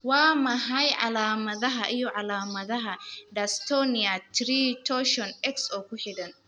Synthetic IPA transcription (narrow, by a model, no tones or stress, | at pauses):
waːmɐɦajʕa̰laːmɐðɐɦaʔɪjɔʔalaːmɐðɐɦadɐst̪onɪjat̪ɾiːtoːʃɔnʔɛksʔoːkʷʊħɪdɐn